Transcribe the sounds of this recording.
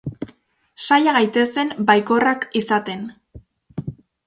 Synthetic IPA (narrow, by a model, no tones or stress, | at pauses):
sajaɣajt̪e̞se̞mbajko̞rakisat̪e̞n